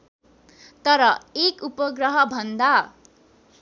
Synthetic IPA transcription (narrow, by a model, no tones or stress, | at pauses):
t̪ʌɾʌekupʌɡrʌɦʌbʱʌnd̪a